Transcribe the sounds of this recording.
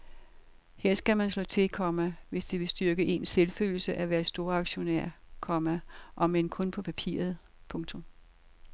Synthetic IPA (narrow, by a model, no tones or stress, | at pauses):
heɐ̰sɡ̥æmænslɔ̰ːt͡sʰe̝kʰɒmæʋe̝sd̥eʋe̝sd̥yɐɡ̥əʔe̝nselfø̰ːl̩səʔæʋæɐsd̥o̝ːɐɑ̈ɡ̥ɕo̝næ̰ɐ̰kʰɒ̽mæʔɒ̽menkʰɔ̽npʰɒ̽pʰæpʰḭɐð̞̩ˠ | pʰɔ̽ŋt͡sʰɔ̽m